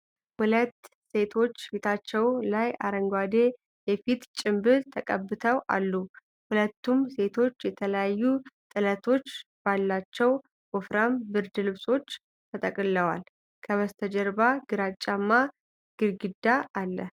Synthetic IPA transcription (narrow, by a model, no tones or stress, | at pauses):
hulət̪ː | se̞t̪ʰo̞t͡ʃːfit̪ʰat͡ʃːɛwlaja̰ɾəŋɡwad̪e̞ | jɛfit̪t͡ʃʼɪmbɨɾt̪ʰəkʼəbːɨt̪ʰəwʔa̰lːu | hulət̪ːumse̞t̪ʰo̞t͡ʃːjɛt̪ʰələjajːut̪ʼɨlət̪ʰo̞t͡ʃːb̥alːat͡ʃːɛw | wofɾambɨɾd̪ɨlɨβso̞t͡ʃː | t̪ʰət̪ʼəkʼɨlːəwal | kʰəβəst̪ʰəd͡ʒɛɾbaɡ̥ɨɾat͡ʃʼːamːa | ɡ̥ɨɾɡɨd̪ːaalːə